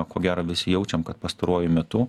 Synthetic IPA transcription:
koːɡʲæːɾɐʋʲɪsʲɪjɛʊt͡ʃʲɛmkɐt̪pɐst̪ɐɾuɔjʊmʲɛt̪ʊ

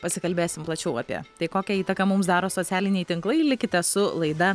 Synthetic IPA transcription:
pɐsʲɪkɐlʲbʲeːsʲɪmplˠɐt͡ʃʲɛʊɐpʲḭɛ̰t̪ɐɪkoːkʲɛiːt̪ɐkɐmʊms̬d̪ɑːɾoːsoːt̪sʲæːlʲɪnʲɛɪt̪ʲɪŋklˠɐɪlʲɪkʲɪt̪ʲɛsʊlˠɐɪd̪ɐ

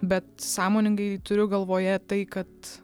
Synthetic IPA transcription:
bʲɛt̪̚sɑːmoːnʲɪŋɡɐɪt̪ʊɾʲʊɡɐlˠʋoːjɛt̪ɐɪkɐt̪

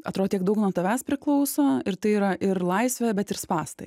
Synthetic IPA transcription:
ɐt̪ɾoːdoːt̪ʲiɛkɡd̪ɐʊknuɔt̪ɐʋʲæspʲɾʲɪklˠɒʊsoːɪɾt̪ɐɪiːɾɐʔɪɾlˠɐɪsʲʋʲɛbʲɛt̪ɪɾspɑːst̪ɐ̰ɪ

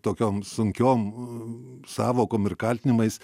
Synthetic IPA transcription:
t̪oːkʲoːmsʊŋʲkʲoːm | sɑːʋoːkoːmɪrkɐlʲt̪ʲɪnʲɪmɐɪs

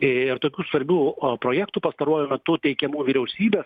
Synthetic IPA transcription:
ɪrt̪oːkʲuːsʋɐɾʲbʲuːpɾoːjæːkt̪uːpɐst̪ɐɾuːjʊmʲɛt̪ʊt̪ʲɛɪkʲɛmuːʋʲiːɾʲɛʊsʲiːbʲeːs

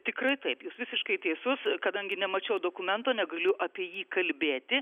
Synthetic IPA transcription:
t̪ʲɪkrɐɪt̪ɐɪpjuːsʋʲɪsʲɪʃkɐɪt̪ʲeːsʊskɐd̪ɐŋʲɡʲɪnʲɛmɐt͡ʃʲɛʊd̪oːkʊmʲɛnt̪oːnʲɛɡɐlʲʊʔɐpʲiɛjiːkɐlʲbʲeːt̪ʲɪ

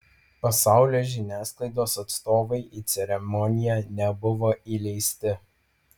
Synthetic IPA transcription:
pɐsɑˑʊlʲoːʒʲɪnʲæːsklˠɐɪd̪oːsɐt̪st̪oːʋɐɪʔiːt̪sʲɛɾʲɛmɔnʲɪjɛnʲɛbʊʋoːilʲɛɪsʲt̪ʲɪ

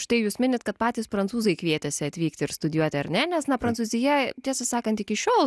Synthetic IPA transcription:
ʃt̪ɐɪjuːsmʲɪnʲɪt̪kɐt̪̚pɑːt̪ʲiːspɾɐntt͡s̪uːzɐɪkʋʲiɛt̪ʲɛsʲɪɐt̪ʲʋʲiːkt̪ʲɪɾst̪ʊdʲɪjuɔt̪ʲɪɐɾnʲɛnʲɛsnɐpɾɐnsuːzʲɪjɛt̪ʲiɛsɐsɑːkɐnt̪ɪkʲɪʃʲoːlˠ

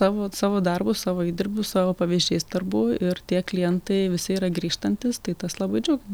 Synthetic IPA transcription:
sɑːʋoːsɑːʋoːd̪ɐrbʊsɑːʋoːiːd̪ʲɪɾʲbʲʊsɑːʋoːpɐʋʲiʒʲd͡ʒʲɛɪsd̪ɐrbʊɪɾt̪ʲiɛklʲɪjɛnt̪ɐɪʋʲɪsʲɪiːɾɐɡɾʲiːʃt̪ɐnʲt̪ʲɪst̪ɐɪt̪ɐslˠɑbɐɪd͡ʒʲɛʊɡʲɛm

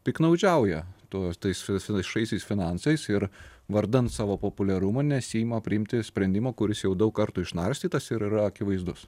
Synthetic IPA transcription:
pʲɪknɐʊd͡ʒʲɛˑʊjɛt̪uɔt̪ɐɪsfʲɪfʲɪɪsʃɐɪsʲɛɪsfʲɪnɑnsɐɪsɪɾʋɐɾd̪ɐnt̪sɑːʋoːpoːpʊlʲɛɾʊmɐnʲɛsʲiːmɐpʲɾʲɪɪmʲt̪ʲɪsʲpʲɾʲɛnʲd̪ʲɪmoːkʊɾʲɪsjɛʊd̪ɐʊkkɐɾt̪uɪʃnɐɾʲsʲt̪ʲiːt̪ɐsɪɾiɾɐɐkʲɪʋɐɪzd̪ʊs

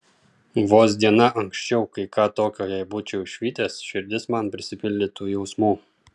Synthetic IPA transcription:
ʋoːs̬d̪ʲiɛnɐʔɐŋksʲt͡ʃʲɛʊkɐɪkɑːt̪oːkʲoːjɛbuːt͡ʃʲɛʊɪʃʲʋʲiːt̪ʲeːsʃʲɪɾʲd̪ʲɪsmɐnpʲɾʲɪsʲɪpʲɪlʲd̪ʲɪt̪uːjɛʊsmuː

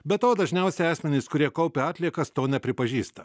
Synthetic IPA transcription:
bʲɛt̪oːd̪ɐʒʲnʲɛʊsʲɛɑːsʲmʲɛnʲɪskʊɾʲiɛkɐʊpʲɪɑːt̪ʲlʲiɛkɐst̪oːnʲɛpʲɾʲɪpɐʒʲiːst̪ɐ

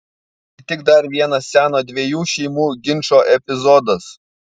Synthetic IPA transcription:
t̪ʲɪɡd̪ɐɾʋʲiɛnɐsʲsʲæːnoːd̪ʲʋʲeɛjuːʃʲɛɪmuːɡʲɪnʲʃoːʔɛpʲɪzɔd̪ɐs

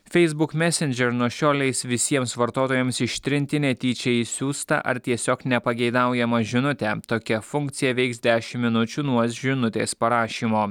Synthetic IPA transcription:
fʲɛɪzbʊkmʲæːsʲɛnʲd͡ʒʲɛɾnuɔʃʲoːlʲɛɪsʋʲɪsʲiɛmsʋɐɾt̪oːt̪oːjɛmsɪʃʲt̪ʲɾʲɪnʲt̪ʲɪnʲɛt̪ʲiːt͡ʃʲɛisʲuːst̪ɐ̰ʔɐ̰ɾt̪ʲiɛsʲoːknʲɛpɐɡʲɛɪd̪ɑʊjɛmɐʒʲɪnʊt̪ʲɛːt̪oːkʲɛfʊŋk̚t̪sʲɪjɛʋʲɛɪksd̪ʲæːʃʲɪmːʲɪnʊt͡ʃʲuːnuɔsʒʲɪnʊt̪ʲeːspɐɾɑːʃʲiːmoː

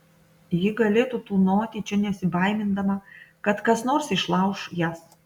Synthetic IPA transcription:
jɪɡɐlʲeːt̪uːt̪uːnoːt̪ʲit͡ʃʲɛnʲɛsʲɪbɐˑɪmʲɪnd̪ɐmɐkɐt̪kɐsnoːɾsɪʃlˠɑʊʃjæːs

